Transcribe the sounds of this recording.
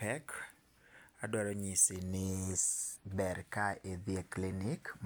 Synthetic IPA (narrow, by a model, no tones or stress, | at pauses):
pɛk | adɔɾɔɲisinɪ | bɛɾkaeðieklinik